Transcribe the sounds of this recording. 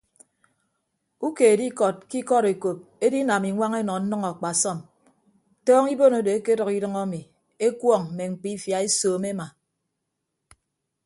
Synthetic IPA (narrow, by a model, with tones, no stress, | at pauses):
u˦ke˨e˨di˦kɔ˨t̚ki˦kɔ˦ɾe˨ko˨p̚e˦di˦na˨mi˨ŋʷa˦ŋe˦nɔ˨n̩˦nɨ˦ŋɔ˨k͡pa˨sɔ˦˨m | tɔː˦ŋi˦bo˦no˨˦de˨e˦ke˦dɔ˨ki˦dɨ˦ŋa˦mi˨ | e˦kwɔ˦˨ŋm̩˨me˨ŋ͡m̩˨k͡pi˦fja˨e˦soː˨me˦ma˨